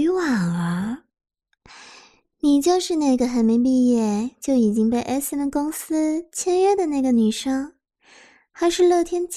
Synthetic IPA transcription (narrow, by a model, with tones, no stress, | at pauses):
wa˨˩ŋlə˧˦ | ni˨˩t͡ɕjo˥˧ʊʂɻ̩˥˧na˥˩ɪɡə˩xa˧˥ɪme˧˥ɪp̬i˥˧jɛ˥˩t͡ɕjo˥˩ʊi˨˩t͡ɕi˥ŋpe˥˧ɪʔɛ˥snkʊ˥ŋsɹ̩˥t͡ɕʰjɛ˥nɥɛ˥˩d̪ə˨na˥˩ɪɡə˩ny˨˩ʂɑ˥ŋ | xa˧˥ɪʂɻ̩˥˧lɤ˥˩t̪ʰjɛ˥nt͡ɕ